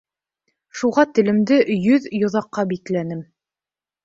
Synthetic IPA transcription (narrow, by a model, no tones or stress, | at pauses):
ʃuʁɑt̪ɘ̆lɘ̆md̪ɘjɵðjŏðɑqːɑbiklænɘm